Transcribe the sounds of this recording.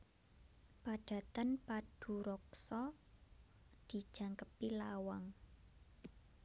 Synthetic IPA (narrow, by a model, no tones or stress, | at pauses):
paɖ̥a̤t̪ənpad̥ṳɾɔksɔ | d̪̥i̤d̥ʒ̥a̤ŋkəpilawaŋ